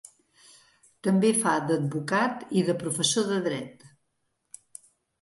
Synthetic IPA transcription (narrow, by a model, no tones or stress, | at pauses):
t̪əmbefad̪əd̪̚βukat̪iðəpɾufəsoðəðɾɛt̪